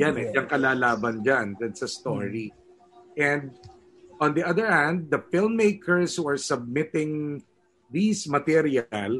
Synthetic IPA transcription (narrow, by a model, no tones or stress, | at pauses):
janʔɛnd͡ʒɐŋkɐlaːlaːbɐnd͡ʒand̪ɛnsɐst̪oɹi | ʔɛ̃nd̪̚ | ʔɔ̃nd̪iʔɐðəɹhɛ̃nd̪̚ːɐfɪlmːejkʰɛɹshuɐɹsɐb̚mɪt̪ɪ̃ŋ | ðismɐt̪ɛɾjal